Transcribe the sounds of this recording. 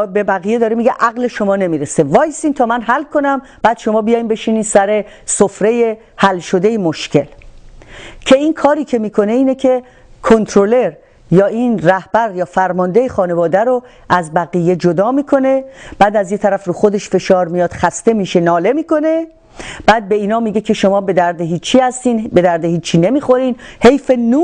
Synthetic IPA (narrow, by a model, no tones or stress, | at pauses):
bebæɣijed̪ɒːɾemiːɡeʔæɣle̞ʃo̞mɒːne̞miːɾesevɒːjsiːnt̪ʰɒːmænɦælkʰo̞næm | b̥æːd̪̥ʃo̞mɒːbijɒːjimbe̞ʃiːniːnsæɾe̞sofɾe̞je | hælʃo̞d̪ejemoʃcʰe̞l | cʰe̞inkʰɒːɾiːcʰe̞miːkʰo̞ne̞iːnekʲʰe̞ | kʰont̪ʰɾole̞ɾ | jɒːinræhb̥æɾjɒːfæɾmɒnd̪e̞jexɒːne̞vɒːd̪æɾo | æzbæɣiːjːe̞d͡ʒod̪ɒːmiːkʰo̞ne̞b̥æːd̪æzjet̪ʰæɾæfruːxo̞d̪e̞ʃfe̞ʃɒːɾmijɒːd̪̥xæst̪e̞miːʃe̞nɒːle̞miːko̞ne̞ | b̥æːd̪̚be̞iːnɒːmiːɟe̞cʰe̞ʃo̞mɒːbe̞d̪æɾd̪eɦiːt͡ʃʰːiːhæst̪iːnbe̞d̪æɾd̪ehiːt͡ʃʰːiːne̞miːxo̞ɾiːnhejfe̞nuː